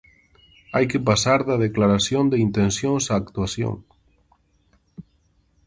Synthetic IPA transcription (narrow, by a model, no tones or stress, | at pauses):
ajkepasaɾðaðeklaɾasjond̪eint̪ẽnsjoŋsaːkt̪uasjõ̰ŋ